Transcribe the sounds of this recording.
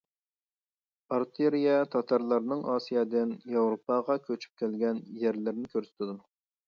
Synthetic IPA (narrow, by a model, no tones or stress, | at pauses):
ɑɾt̪ʰeɾijɛt̪ʰɑt̪ʰɑɾlˠɑɾnɨŋɑːsijɑd̪ɪnjɑwɾopʰɑʁɑkʲʰøt͡ʃʰy̥p̚kʲʰælɡʲɛnjæɾlɪɾnɪkʲʰøɾsɪ̥t̪ʰɪd̪u